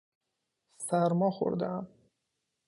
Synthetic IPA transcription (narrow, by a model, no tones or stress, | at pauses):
sæɾmɒːxo̰ɾd̪eæm